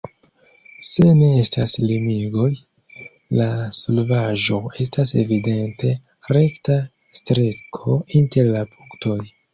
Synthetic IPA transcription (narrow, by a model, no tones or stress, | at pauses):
se̞ne̞estaslimiɡo̞j | lasolvaʒo̞e̞stase̞̰vide̞nte̞ | ɾe̞kta | stɾe̞kʰo̞inte̞ɾlapuŋkto̞j